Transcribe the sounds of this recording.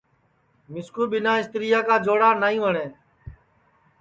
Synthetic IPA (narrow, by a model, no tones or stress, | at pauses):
mɪskuːɓɪnaːɪst̪ɾɪjaːkaːd͡ʒoːɽaːnaːĩːʋəɳeː